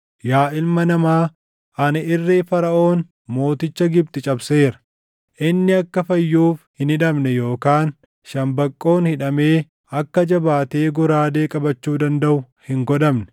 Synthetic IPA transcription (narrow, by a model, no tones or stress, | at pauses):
jaːʔɪlmɐnɐmaː | ʔɐnɐʔɪrːeːfɐɾɐʔo̞ːn | mo̞ːt̪ɪt͡ʃːɐɡɪb̚t̪ɪt͡ʃʼɐbse̞ːɾɐ̥ | ʔɪnːɪɐkːɐfɐjːuːfhɪnhɪᶑɐmnɛjo̞ːkaːn | ʃɐmbɐkʼːo̞ːnhɪᶑɐme̞ː | ɐkːɐd͡ʒɐbaːt̪eːɡɔɾaːd̪e̞ːkʼɐbɐt͡ʃːuːd̪ɐnd̪ɐʔʊ | hɪŋɡɔd̪ɐmnɛ̥